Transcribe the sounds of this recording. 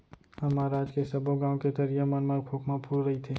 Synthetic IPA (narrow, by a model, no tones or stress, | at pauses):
ɦɐmaɾaːd͡ʒkesɐboɡãːõket̪ɐɾijamənməɾkʰoːkmãpʰuːɽɾɐɦit̪ʰeː